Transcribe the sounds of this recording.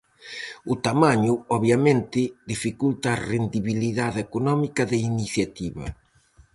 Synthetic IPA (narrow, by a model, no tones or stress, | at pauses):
ʊt̪amaɲʊɔβjɐmẽnt̪ɪd̪ifikult̪aːrend̪iβiliðaðekonɔmikɐðɪiniθjat̪iβɐ̰